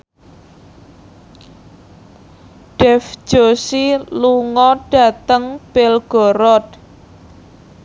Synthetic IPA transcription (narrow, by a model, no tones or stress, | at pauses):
ɖ̥ɛfʒ̥osiluŋɔɖ̥ä̤t̪əŋb̥elɡ̥ɔ̤ɾɔt̪̚